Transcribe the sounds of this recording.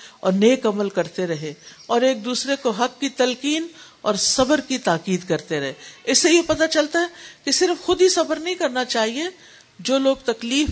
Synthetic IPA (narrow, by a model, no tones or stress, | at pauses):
ɔ̰ːɾneːkɐməlkɐɾt̪eɾɐɦeɔːɾeːk̚d̪uːsɾekoɦɐkːit̪ɐlkiːn | ɔːɾsɐbəɾkit̪aːkiːd̪kɐɾt̪eɾɐɦeɪsːejepɐt̪at͡ʃɐlt̪aɦɛkisɪɾfxʊd̪ʱisɐbəɾnɐɦĩkɐɾnat͡ʃaːɦie | d͡ʒoːloːɡ̚t̪ɐkliːf